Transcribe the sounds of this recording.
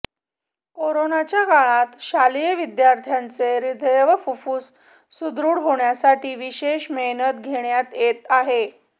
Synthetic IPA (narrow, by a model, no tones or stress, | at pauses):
koɾonat͡ɕjaɡaɭ̃at̪ɕalijəʋid̪jaɾt̪ʰjant͡seɾid̪ʱəjʋəfufuːsː | ud̪ɾuːɽɦoɳjasaʈiːʋiɕeɕmenət̪̚ɡʱeɳjat̪jet̪aɦe